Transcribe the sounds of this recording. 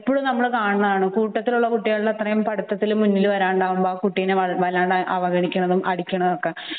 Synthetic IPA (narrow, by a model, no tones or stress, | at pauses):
pːoːɻumnɐmːɐɭkaːɳɐnɐðaːɳɨkuːʈːɐt̪ːiluɭːɐkuʈːiɣaɭulɐt̪rɐjɐmpɐɽut̪ːɐt̪ːilumːunːilʋɐɾaːɳɖaːʋumboːkuʈːijneɐʋɐlaːɳɖʔɐʋɐɡɐɳikʲːuɳɐðumʔɐɽikʲːuɳɐðokːe